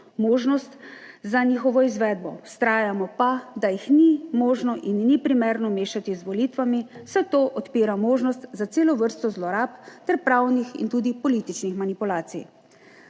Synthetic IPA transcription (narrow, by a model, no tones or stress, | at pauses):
moːʒnɔst̪zaniːxɔʋɔizʋɛːd̪̚bɔwst̪ɾaːjamɔpad̪ajixnimoːʒnɔʔinːipɾimɛɾnɔmeːʃat̪izʋɔlit̪ʋami̥sɛt̪oːʔɔt̪piːɾamoːʒnɔst̪zat̪seːlɔʋəɾst̪ɔzlɔɾaːpt̪ɛɾpɾaːwnixḭnt̪uːd̪ipɔlit̪it͡ʃnixmanipulaːt̪sḭj